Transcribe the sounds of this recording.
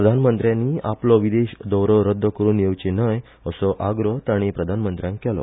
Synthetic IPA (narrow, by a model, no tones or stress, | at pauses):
ɾəd̪ʱanmənt̪ɾjãnːiːaplɔʋid̪eɕd̪ɔwɾɔɾəd̪ʱːəkəɾuːnjewt͡ɕenəj | əsɔʔaɡɾəɦt̪aɽ̃ipɾəd̪ʱanmənt̪ɾjãŋkːɛlɔ̰